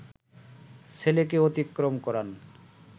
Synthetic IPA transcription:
sʰelekeot̪ikːɾomkɔɾan

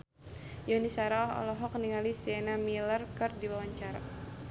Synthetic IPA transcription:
jɔnisaɾaɔɦɔ̰lɔɦɔkniŋalisɛnamilərkɨrdiwawaɲt͡ʃaɾa

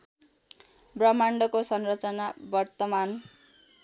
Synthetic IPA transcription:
brʌmaɳɖʌkosʌnrʌt͡sʌnabʌrt̪ʌman

